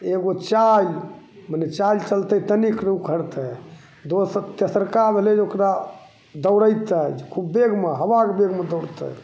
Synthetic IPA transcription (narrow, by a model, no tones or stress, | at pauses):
eɡot͡ʃal | mənet͡ʃajlt͡ʃəlt̪ɛt̪əniknəukʰəɾt̪ɛ | d̪ost̪esəɾkabʱeled͡ʒokɾa | d̪əwɾəjt̪əd͡ʒekʰubːeɡʱmeɦəbakbeɡmed̪əwɾt̪ə̰